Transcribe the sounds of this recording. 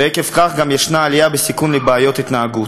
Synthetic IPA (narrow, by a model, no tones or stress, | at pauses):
ekefkaχɡamjeʃnaːlijabesikunlebaːjo̞t̪it̪naːɡut